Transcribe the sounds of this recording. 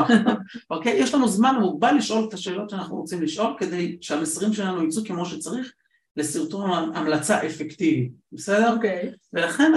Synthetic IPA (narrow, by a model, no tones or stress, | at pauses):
o̞kejeʃlanuzmanmuɡ̚balːiʃʔo̞lt̪aʃe̞ːlo̞tʃeaːnaχnuʁot͡simliʃʔo̞lke̞d̪e̞jʃeamesʁimʃelanuit͡suke̞mo̞ʃet͡saʁiχ | lesiʁt̪oamlat͡saʔefekt̪ivitbesedeve̞laχe̞n